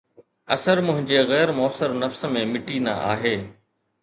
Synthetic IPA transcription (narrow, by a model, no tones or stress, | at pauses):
ɐsəɾmʊ̃ɦɪ̃ɲd͡ʑeɣɛːɾmɔːsəɾnɐfs̆mẽmɪʈina̰ʔa̰ːɦeː